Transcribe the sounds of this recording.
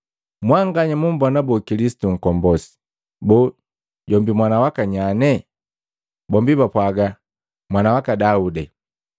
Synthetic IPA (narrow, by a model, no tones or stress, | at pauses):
mwaŋɡaɲamumbɔnabɔkilisi̥tuŋ̩kɔmbɔsi̥ | bɔ | ɟɔmbimwanawakaɲanɛ | bɔmbibapwaɡa | mwanawakadaudɛ